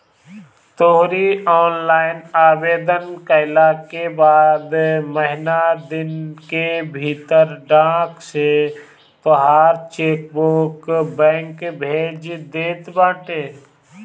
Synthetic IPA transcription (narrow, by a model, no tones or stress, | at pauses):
t̪oɦɾiɔːnlaːɪnaːweːd̪ənkəɪlakebaːd̪məɦɪnad̪ɪnkebʱiːt̪əɾɖãːkse | t̪oɦaːɾt͡ʃeːk̚boːkbɛ̃ːŋkbʱeːd͡ʒd̪eːt̪bãːʈeː